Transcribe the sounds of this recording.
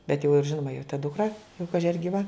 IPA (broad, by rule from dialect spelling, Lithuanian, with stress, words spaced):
bʲɛt jɛʊ ɪr ˈʒʲɪnoːmɐ joː tɐ dʊkˈrɐ jɛʊ ˈkɑːʒʲɪ ɐr ɡʲiːˈʋɐ